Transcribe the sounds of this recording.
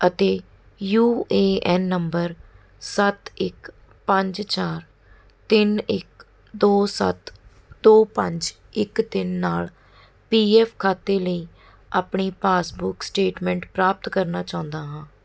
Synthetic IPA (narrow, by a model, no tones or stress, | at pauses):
ət̪eː | juːeːɛːnːəmbəɾ | sət̪ɪk | pəɲd͡ʒt͡ʃaːɾ | t̪ɪnɪk | d̪oːsə̰t̪ | d̪oːpəɲd͡ʒ | ɪkt̪ɪnːaːl | piːɛːpʰkʰaːt̪eːləiː | aːpɳiːpaːsbʊksʈeːʈmɛ̃ːɳʈpɾaːp̚t̪kəɾnaːt͡ʃãːʊ̃nd̪aːɦãː